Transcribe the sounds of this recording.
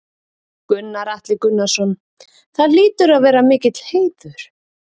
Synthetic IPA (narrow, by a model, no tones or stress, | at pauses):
kʏnːaɾaht̪lɪkʏnːasɔn | θaðliːt̪ʏɾaðvɛːɾamɪːcɪt̪l̥heːjðʏɾ̥